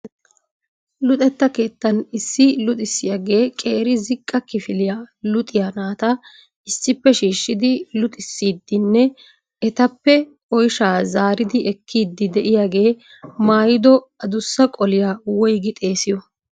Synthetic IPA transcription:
lʊt̪ʼɛt̪ːɐke̞ːt̪ːɐnɪsːɪlʊt̪ʼɪsːɪjɐɡe̞ːkʼe̞ːɾɪzɪkʼːɐkɪfɪlɪjalʊt̪ʼɪjanaːt̪ɐ | ɪsːɪpːɛʃiːʃːɪd̪ɪlʊt̪ʼɪsːiːd̪ːɪnːɛ | ɛt̪ɐpːɛ | ʔɔjʃaːzaːɾɪd̪ɪɛkʰːiːd̪ːɪd̪ɛʔɪjaɡe̞ː | maːjɪd̪ɔ | ɐd̪ʊsːɐkʼɔlɪjawɔjɡɪt̪ʼe̞ːsɪjɔ

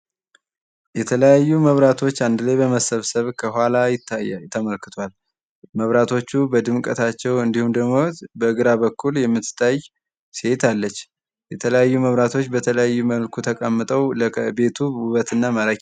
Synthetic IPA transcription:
jɛt̪ʰələjajːuməβɾat̪ʰo̞t͡ʃːand̪ɨlajbəməsəβsəβkʰəɦʷalajɪt̪ːat̪ʰːəməlkɨ̥t̪ʰwal | məβɾat̪ʰo̞t͡ʃːubəd̪ɨmkʼət̪ʰat͡ʃːɛwɨnd̪ihumd̪əmot̪bəɨɡɨɾaβəkʰːuljɛmːɨt̪ːɨ̥t̪ʰːaj | se̞t̪ʰalːət͡ʃː | jɛt̪ʰələjajːuməβɾat̪ʰo̞t͡ʃːbət̪ʰələjajːuməlkʰut̪ʰəkʼəmːɨt̪ʼəwləbe̞t̪ʰuuβət̪ʰɨnːamaɾək

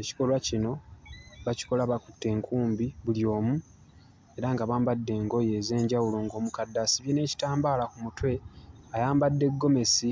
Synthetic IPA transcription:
eci̥ko̞lwacino̞βaci̥ko̞laβakutːe̞ːŋkʰuːmbiβuljo̞ːmu | e̞ɾaŋɡaβaːmbadːe̞ːŋɡo̞je̞ːze̞ːɲɟawulo̞ːŋɡo̞ːmukadːasiβjine̞ːci̥taːmbaːlakumutwe̞ajaːmbadːe̞ɡːo̞me̞si

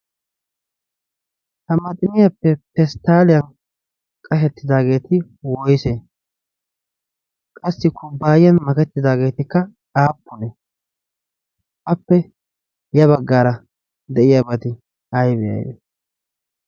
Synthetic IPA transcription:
hɐmɐt̪ʼɪmɪjapːɛpɛst̪aːlɪjɐn | kʼɐʃɛt̪ːɪd̪aːɡe̞ːt̪ɪ | wɔjseː | kʼɐsːɪkʰʊbːaːjɪjɐnmɐkɛt̪ːɪd̪aːɡe̞ːt̪ɪkːɐ | aːpːʊnɛ | ʔɐpːɛ | jɐβɐɡːaːɾɐ | d̪ɛʔɪjɐbɐt̪ɪ | ɐjbɛjɐ̰jdḛ

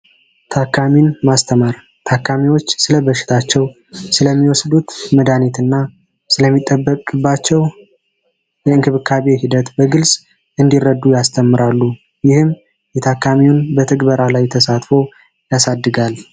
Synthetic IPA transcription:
t̪ʰakʰːaminmast̪ʰəmaɾ | t̪ʰakʰːamiwo̞t͡ʃːsɨləbəʃɪ̥t̪ʰat͡ʃːɛw | sɨləmːiwɔsd̪ut̪məd̪anit̪ɨnːa | sɨləmːit̪ʼːəbːəkʼɨbːat͡ʃːɛw | jɛɨŋkʰɨβɨkʰːaβehid̪ət̪bəɡɨlsʼ | ʔɨnd̪irːəd̪ːujast̪ʰəmːɨɾalːu | jɪhɨm | jɛt̪ʰakʰːamiwʊnbət̪ʰəɡbəɾalajt̪ʰəsat̪fo̞ | jasad̪ːɨɡal

